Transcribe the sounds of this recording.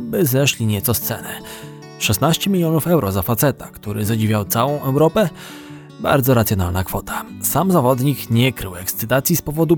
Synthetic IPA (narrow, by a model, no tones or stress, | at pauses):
bɘzɛʂlʲiɲɛt̪sɔst̪sɛnɘ | ʂɛsnaɕt͡ɕɛmʲilʲjɔnufɛwɾʔɔzafat̪sɛt̪akt̪uɾʔɘ̰zad͡ʑivʲjawt̪sawɔ̃w̃ʔɛwɾɔpɛ | ba̰ɾd̪zɔɾat̪sʲjɔnalnakfɔt̪ʰḁsamzavɔd̪ɲikɲɛkɾɘwɛkst̪sɘt̪at̪sʲjispɔvɔd̪u